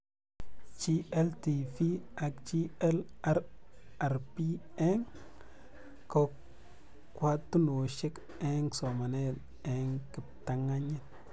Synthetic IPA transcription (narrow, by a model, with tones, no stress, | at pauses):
t͡ʃi˦e˦lti˨fi˦a˨kt͡ʃi˦e˦la˦ɾ | a˨ɾpi˦ | e˦ŋ | ko˦ | kwa˦tːu˦no˨ʃi˦k | e˦ŋso˨ma˨ne˦˨d | e˨ŋki˨p̚ta˨ŋa˦ɲi˦t̚